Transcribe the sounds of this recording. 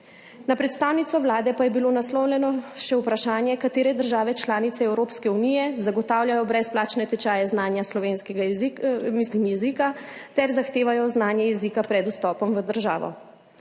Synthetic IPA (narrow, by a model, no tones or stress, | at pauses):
napɾɛt̪st̪aːwnit̪sɔʋlaːd̪ɛpajɛbilonaslɔwlʲɛnɔʃɛwpɾaʃaːnjɛkat̪eːɾɛd̪əɾʒaːʋɛt͡ʃlaːnit̪sɛɛwɾoːpskɛunijɛzaɡɔt̪aːwljajɔbɾɛsplaːt͡ʃnɛt̪ɛt͡ʃaːjɛznaːnjaslɔʋeːnskɛɡaimislimjɛziːkat̪ɛɾzaxt̪eːʋajɔznaːnjɛjɛziːkapɾɛd̪ust̪ɔːpɔmʋəd̪əɾʒa̰ːʋɔ̰